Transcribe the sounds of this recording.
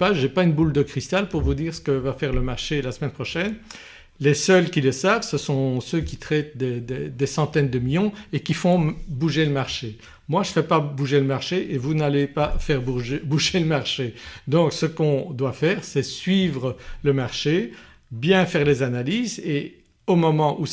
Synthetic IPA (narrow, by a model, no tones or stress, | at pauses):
paʒepaynbuld̪əkχist̪alpuʁvud̪iːʁsə̥kəvafɛʁləmaʁʃelasmɛnpχɔʃɛn | lesœlkʲiləsavsəsɔ̃søkʲit̪χɛt̪̚d̪ed̪ed̪esɑ̃t̪ɛnd̪əmiljɔ̃ekʲifɔ̃buʒeləmaʁʃe | mwaʒəfɛpabuʒeləmaʁʃeʔevunalepafɛʁbubuʒeləmaʁʃed̪ɔ̃ksəkɔ̃d̪wafɛːʁsɛsɥivʁələmaʁʃe | bjɛ̃fɛʁlezanaliːze | omɔmɑ̃ʔu